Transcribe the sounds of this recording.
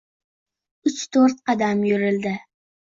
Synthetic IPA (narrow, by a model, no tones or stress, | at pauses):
ʊt͡ʃt̪ʰoɾt̪ɑd̪amjʊɾɪld̪ɪ